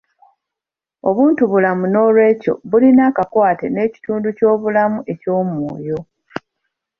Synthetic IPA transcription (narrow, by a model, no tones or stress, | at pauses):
o̞βuːntuβulamuno̞ːlwe̞ːco̞̰βulinaːkakwaːte̞ne̞ːci̥tuːnduco̞ːβulamuʔe̞co̞ːmwo̰ːjo̞